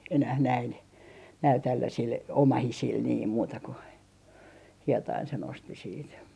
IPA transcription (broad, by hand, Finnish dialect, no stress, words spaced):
enæh næin næil tælːæsil omɑhisil niːm muːtɑ ku hietɑin sen osti siːt